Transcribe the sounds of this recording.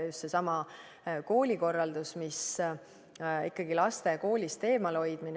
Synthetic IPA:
just̪se̞sɑmɑ | ko̞ːlʲiko̞rːɑld̪usmis | ḭkːɑɡ̥ilɑst̪e̞ko̞ːlʲist̪e̞ːmɑlo̞jd̪̥min

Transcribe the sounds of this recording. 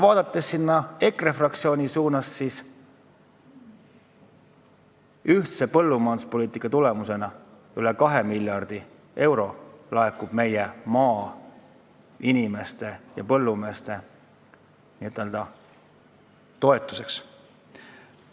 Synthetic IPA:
vɑːd̪̥ɑt̪ːˑe̞sːinːɑe̞krefrɑk̚t̪sio̞ːnʲisuːnɑsːis | yht̪se̞pɤ̞lːumɑːnd̪uspo̞liːt̪ˑikːˑɑt̪ule̞muse̞nɑ | ylekɑɦe̞milʲjɑrd̪̥i | ʔe̞wɾo̞lɑekːub̥me̞jemɑː | inime̞st̪e̞jɑ̰pɤ̞lːume̞ːst̪e̞ | niyt̪ːˑeld̪̥ɑ | t̪o̞e̞t̪ːˑu̥se̞ks

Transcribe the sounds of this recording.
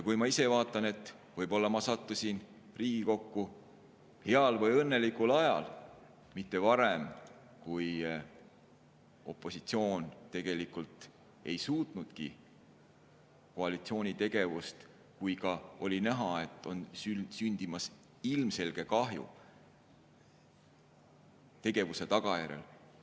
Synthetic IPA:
jɑkujmɑise̞vɑːt̪ːˑɑne̞t̪ːˑ | vɤjbo̞lːɑmɑsɑt̪ːusin | riːɡ̥iko̞kːu | he̞ɑlvɤjɤnːe̞likulɑjɑ̰l | mit̪ˑːe̞vɑɾem | kuj | o̞pːˑo̞sit̪sio̞ːnt̪e̞ɡ̥e̞likːult̪ | e̞jsuːt̪nud̪̥ki | ko̞ɑlit̪sio̞ːnʲit̪e̞ɡ̥e̞vust̪ | kujkɑo̞lʲinæɦɑe̞t̪ːˑo̞nsysynʲd̪̥imɑs | ilmse̞lɡ̥e̞kɑɦjṵ | t̪e̞ɡ̥e̞vuse̞t̪ɑɡ̥ɑjæɾḛl

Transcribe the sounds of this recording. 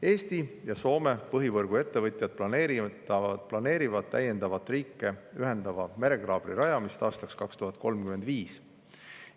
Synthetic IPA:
e̞ːst̪ijɑso̞ːme̞pɤɦivɤrɡ̥ue̞t̪ːe̞vɤt̪ʲˑjɑd̪̥̚plɑneːɾiɑplɑne̞ːɾivɑd̪̥̚t̪ːæje̞nd̪ɑvɑt̪ːriːkːˑe̞yɦe̞nd̪̥ɑvɑmeɾe̞ɡ̥rɑːb̥riɾɑjɑmist̪ɑːst̪ɑkskɑkst̪uɦɑt̪̚ːˑko̞lmkymend̪viːs

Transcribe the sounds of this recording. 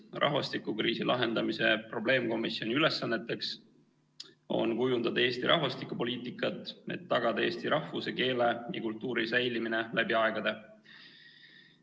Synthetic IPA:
rʔɑ̰ɦvɑst̪ikːukriːsilʔɑɦe̞nd̪̥ɑmise̞pro̞b̥le̞ːmko̞misːjo̞niyle̞sːɑnːe̞t̪ːe̞ks | o̞̰nkujund̪ɑd̪̥ɑe̞ːst̪iɾʔɑ̰ɦvɑst̪ikupo̞liːt̪ˑikːˑɑt̪ːˑe̞̰t̪ːɑɡ̥ɑd̪ɑe̞ːst̪iɾɑhvuse̞ke̞ːle̞jɑ̰kult̪ˑːuːɾisæjlimine̞læbiɑeɡ̥ɑd̪̥e̞

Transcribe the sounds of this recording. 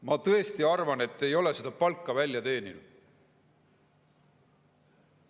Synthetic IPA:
mɑt̪ɤe̞st̪iɑrvɑne̞t̪ːe̞jo̞le̞sed̪̥ɑpɑlkˑːɑvælʲjɑt̪e̞ːnḭlṵd̪̥

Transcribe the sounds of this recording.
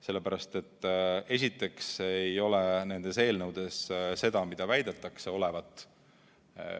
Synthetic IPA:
se̞lːe̞pæɾɑst̪e̞t̪ːˑe̞sʲit̪ːe̞ksejo̞le̞ne̞nd̪̥e̞se̞ːlnɤwd̪̥e̞sse̞d̪̥ɑmid̪̥ɑvæjd̪̥e̞t̪ːˑɑkse̞o̞le̞vɑt̪ːˑ

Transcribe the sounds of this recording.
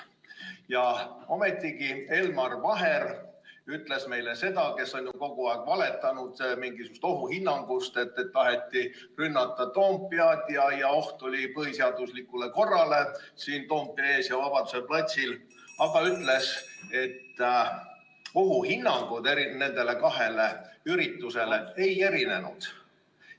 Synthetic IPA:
jɑo̞me̞t̪ːˑiɡie̞lmɑrvɑɦe̞ɾyt̪ːˑle̞sme̞jle̞se̞d̪ɑke̞so̞nʲjuko̞ɡ̥uɑeɡ̥vɑle̞t̪ːˑɑnud̪̥miŋɡisuust̪o̞ɦuhinːɑŋɡ̥ust̪e̞t̪ːet̪ːɑɦet̪ːˑi | rynːɑt̪ːˑɑt̪o̞ːmpːˑiɑt̪jɑjɑo̞ht̪olʲipɤɦiseɑd̪̥uslikːˑuleko̞rːɑle̞siːnt̪o̞ːmpːˑijɑe̞ːsjɑvɑpɑd̪u̥se̞plɑt̪ʲsil | ɑɡ̥ɑyt̪ːˑle̞se̞t̪ː | oɦuhinːɑŋɡ̥ud̪e̞ɾine̞nd̪e̞le̞kɑɦe̞leyɾit̪ːuse̞le̞e̞je̞ɾine̞nṵd̪̥

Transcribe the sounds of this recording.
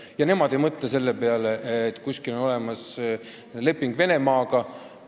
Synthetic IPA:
jɑne̞mɑd̪̥e̞jmɤt̪ˑlese̞lːe̞pe̞ɑleʔet̪ːˑkusʲkilo̞no̞lɛmɑs | le̞pːˑiŋɡ̥ve̞ne̞mɑːɡ̥ɑ

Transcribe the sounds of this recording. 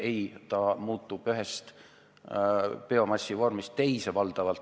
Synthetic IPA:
ejt̪ɑmuːt̪ːˑub̥yɦest̪ | peo̞mɑsʲːivo̞rmist̪ːe̞jsevɑld̪̥ɑvɑlt̪

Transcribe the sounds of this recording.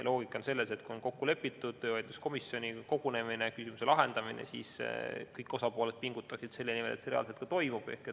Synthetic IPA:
lʔo̞ːɡ̥ikːˑo̞nse̞lːe̞se̞t̪kuo̞nko̞kːule̞pːit̪ːˑud̪̥̚t̪øːɑjd̪lusko̞misːjo̞nʲiko̞ɡune̞minekysimuse̞lɑɦe̞nd̪̥ɑminḛsḭːskɤjkːˑo̞sɑpoːled̪̥̚piŋɡut̪ːˑɑksid̪̥se̞lːenimelʔet̪seeɑ̰lset̪̚kɑt̪o̞jmub̥e̞̰hketːˑ

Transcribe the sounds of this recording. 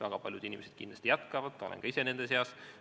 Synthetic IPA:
væɡ̥ɑpɑljud̪̥inʲimesed̪̥̚kḭnd̪lɑst̪ijæt̪kɑvɑd̪̥t̪ɑolḛŋkɑise̞ne̞nd̪̥e̞s̬eɑs

